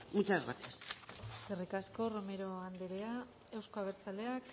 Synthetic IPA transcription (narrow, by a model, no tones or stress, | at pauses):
mut͡ʃazɣɾa̰θiasserikasko̞ro̞me̞ɾo̞and̪eɾea | ewsko̞aβ̞e̞ɾt͡sale̞ak